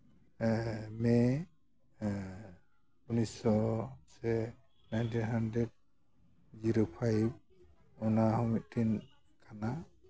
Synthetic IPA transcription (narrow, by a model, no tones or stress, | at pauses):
mɛ | unisɔsɛ | najnt̪ʰinɦandɾɛd̚ | d͡ʒiɾopʰajb̚ | ɔnahɔmit̪̚tʰin | kʰana